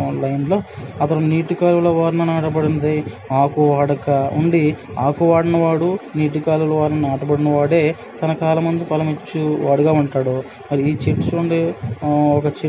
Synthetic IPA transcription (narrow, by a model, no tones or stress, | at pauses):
lɐjnloːɐt̪ɐluniːʈukaːlulɐʋaːɾnɐnaːʈɐbɐɽinɐd̪ɐj | aːkuʋaːɽɐkɐuɳɖi | aːkuʋaːɽinɐʋaːɽuniːʈukaːlulɐʋaːɾnɐnaːʈɐbɐɽinɐʋaːɽe̞ː | t̪ɐnɐkaːlɐmɐnd̪ipɐlɐmit͡ʃːuʋaːɽuɡaːuɳʈaːɽu | mɐɾiiːt͡ʃeʈsuɳɖe | ɔkɐt͡ʃe